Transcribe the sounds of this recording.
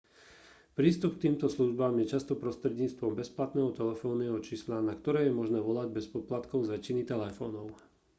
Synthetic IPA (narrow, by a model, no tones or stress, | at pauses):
pɾiːst̪upk̚t̪iːmt̪ɔsluʒbamjɛt͡ʃast̪ɔpɾɔst̪ɾɛdɲiːt͡st̪ʋɔmbɛsplat̪nɛːɦɔt̪ɛlɛfɔːnɛɦɔt͡ʃislanakt̪ɔɾɛːjɛmɔʒnɛːʋɔlaɟbɛspɔplat̪kɔʊzʋɛcinit̪ɛlɛfɔːnɔʊ